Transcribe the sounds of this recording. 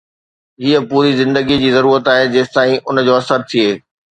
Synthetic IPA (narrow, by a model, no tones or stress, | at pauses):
ɦiːəpuːɾizɪ̃nd̪əɡid͡ʑiːzɐɾuːɾət̪aːɦed͡ʑeːst̪aːĩʔʊnd͡ʑoːɐsəɾt̪ʰieː